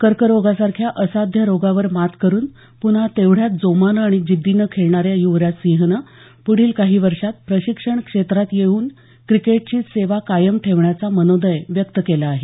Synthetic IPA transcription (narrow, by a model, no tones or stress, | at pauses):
kəɾkəɾoɡasaɾkʰjaʔəsad̪ʱjəɾoɡaʋəɾmat̪ʰkəɾuːn | pun̤at̪eʋɽ̤jat̪̚d͡zomanəaɽ̃id͡ʑid̪ːinəkʰeɭɳaɾjajuʋɾjasiɦnə | puɽ̤iːlkaɦiːʋəɾʂat̪̚pɾəɕikʂəɳkʂet̪ɾat̪jeuːn | kɾikeʈ̚t͡ɕiːseʋakajəmʈʰeʋɳjat͡samənod̪əjʋjək̚t̪əkelaːɦe